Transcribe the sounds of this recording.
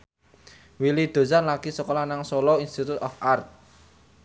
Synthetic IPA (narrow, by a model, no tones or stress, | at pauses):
wilid̪̥o̤sanlaɡ̥isɔkɔlanaŋsɔlɔinst̪it̪ut̪ɔfʔart̪̚